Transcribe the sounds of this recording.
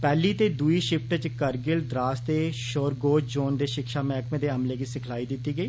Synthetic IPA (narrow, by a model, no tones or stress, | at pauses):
pɛːliːt̪eːd̪uiːʃɪpʈət͡ʃkəɾɡɪld̪ɾaːst̪eːʃoːɾɡoːd͡ʒd͡ʒoːnd̪eːʃɪkʃaːmɛːkmẽːd̪eːəmleːɡiːsɪkʰlaːiːd̪ɪt̪ːiːɡəiː